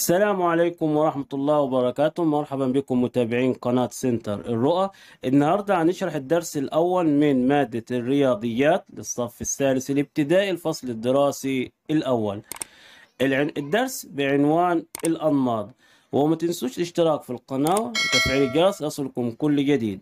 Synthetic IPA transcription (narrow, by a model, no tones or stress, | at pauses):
asːalaːmʕaleːkʊmwɑɾˤɑħmat̪ɑlˤːɑːwɪbɑɾˤɑkaːt̪ʊmmɑɾˤħabambɪkʊmːʊt̪aːbɪʕiːnqɑnaːt̪sɪnt̪ɑɾˤɪ̰rːʊʔa | ʔɪnːahɑɾˤd̪ˤɑʕanɪʃɾˤɑħɪd̪ːɑɾˤsɪlʔawːalmɪnmaːd̪ːarːɪjɑːd̪ˤɨjːaːt̪lɪsˤːɑfɪsːaːd̪ɪsilɪb̚t̪ɪd̪aːʔilfɑsˤlɪd̪ːɪɾɑːsi | ɪlʔawːal | ɪd̪ːɑɾˤsbɪʕɪnwaːnɪlʔɑnːɑːd̪ˤ | wɪmat̪ɪnsuːʃtɪʃt̪ɪɾɑːkfilqɑnaːwawt̪afʕiːlɪd͡ʒɑɾˤsʔɑsˤlkʊmkʊlːd͡ʒad̪iːd̪